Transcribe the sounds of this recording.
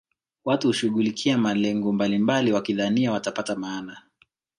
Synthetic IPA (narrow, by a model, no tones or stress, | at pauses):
watuhuʃuɠulikʰiamalɛŋɡɔmbalimbaliwakiðaniawatapatamaːna